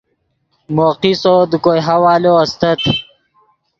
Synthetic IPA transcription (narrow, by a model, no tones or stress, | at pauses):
moːqisod̪ukojɦawaːloɐst̪ɐt̪